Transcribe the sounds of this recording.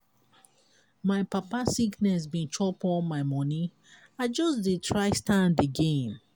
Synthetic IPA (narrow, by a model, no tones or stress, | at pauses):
maɪpapasiknɛs̬bĩnt͡ʃʰɔpɔlmaɪmɔni | aɪd͡ʒɔsditʰɹaɪstãndəɡẽm